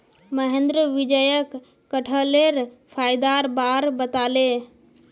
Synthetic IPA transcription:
məɦẽnd̪ɾəʋid͡ʒəjək | kːəʈʰəleɾ | pʰajd̪aɾbaɾbət̪ale

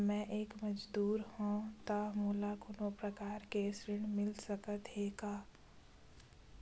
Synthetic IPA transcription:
mɛ̃ʔeːkmɐd͡ʒd̪uːɾhõt̪amuːlakʊnõpɾəkaːɾkesɾɪɽ̃mɪlsəkət̪ɦeːɡaː

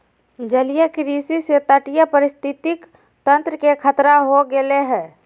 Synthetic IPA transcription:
d͡ʒəlijəkɾiːsiset̪əʈijəpəɾɪst̪ʰɪt̪ɪk | t̪ə̃nt̪ɾəkekʰət̪ɾaɦoɡeleɦɛ̃ː

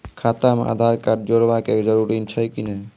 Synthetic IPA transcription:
kʰat̪amḛʔa̰d̪ʱaɾkaɖ̚d͡ʒoɾbaked͡ʒəɾuɾint͡ʃʰəjkine

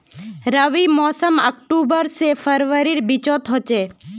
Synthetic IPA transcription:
ɾəʋimɔːsəmək̚ʈubəɾsefʰəɾʋəɾiɾbit͡ʃot̪ɦɔt͡ʃe

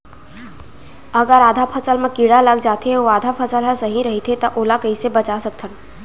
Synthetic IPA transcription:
əɡəɾaːd̪ʱapʰəsəlmẽkiɽaləɡd͡ʒaːt̪eoaːd̪ʱapʰəsəlɦə̃səɦĩɾɐɦit̪ʰet̪ɐʔoːlakəisebət͡ʃasək̚t̪ʰən

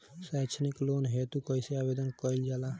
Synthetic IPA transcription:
sat͡ʃʰniklonɦet̪ukəiseabed̪ənkəild͡ʒala

